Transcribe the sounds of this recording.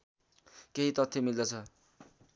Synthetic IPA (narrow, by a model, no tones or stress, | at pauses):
keɦit̪ʌt̪ʰːjemild̪ʌt͡sʰʌ